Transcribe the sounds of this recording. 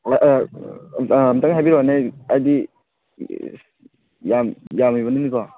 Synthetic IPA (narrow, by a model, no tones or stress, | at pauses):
mtaŋɦajbiɾoneajdi | jamjamijbanɯnika